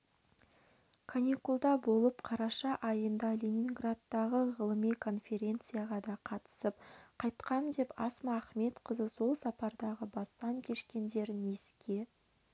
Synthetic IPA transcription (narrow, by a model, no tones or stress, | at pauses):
kʰanʲikulˠd̪ɑbo̞lˠəpqʰɑɾɑʃɑʔɑjənd̪ɑlʲenʲinɡrad̪ːɑʁəʁəlˠəmijkʰo̞nfʲe̞ɾʲe̞nt̪sɨjaʁɑd̪ɑqʰɑt̪ə̥səp̚qʰɑjt̪qɑmd̪e̞pɑsmɑːχme̞t̪qəzəso̞lˠsɑpɑɾd̪ɑʁəbɑst̪ɑŋkʲʰe̞ʃkʲe̞nd̪e̞ɾɪneskʲe̞